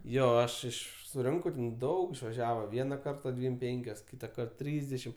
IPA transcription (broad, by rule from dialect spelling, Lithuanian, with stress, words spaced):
ˈjoː ˈɐʃ ˈɪʃ sʊˈrʲɪŋkɐʊ ˈdɐʊk ɪʃʋɐˈʒʲæːʋɐ ˈʋʲiɛnɐ ˈkɐrtɐ ˈdʲʋʲiːm ˈpʲɛŋʲkʲoːs ˈkʲiːtɐkɐrt ˈtʲrʲiːzʲdʲɛʃʲɪm